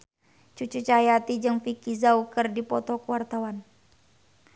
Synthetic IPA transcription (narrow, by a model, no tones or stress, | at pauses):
t͡ʃut͡ʃut͡ʃajat̪id͡ʒɨŋfikizaukərdipɔt̪ɔkuwart̪awan